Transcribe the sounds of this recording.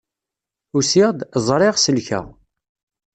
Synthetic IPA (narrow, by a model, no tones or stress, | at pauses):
ʊsiʁd̪zˤɾˤeʁsəlçæ̰ʁ